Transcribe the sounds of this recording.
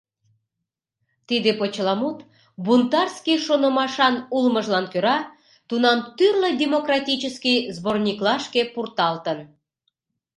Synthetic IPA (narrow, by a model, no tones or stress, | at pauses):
t̪id̪epot͡ɕlɑmut̪ | bunt̪ɑrskijʃonəmɑʃɑnulməʒlɑnkøɾɑ | t̪unɑmt̪yrləd̪ʲemokrɑtʲit͡ɕəskijzbornʲiklɑʃkepurt̪ɑlt̪ən